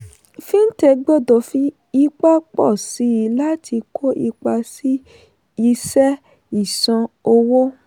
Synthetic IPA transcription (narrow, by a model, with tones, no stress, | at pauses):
fi˦n̩˦tɛ˧ɡ͡bɔ˦˨dɔ˨fi˦ | i˦k͡pa˦k͡pɔ˦˨si˨˦i˧la˦tʰi˧kʰo˦ʔi˧k͡pa˧si˦ | i˧sɛ˦ | i˦˨sã˧o˧wo˦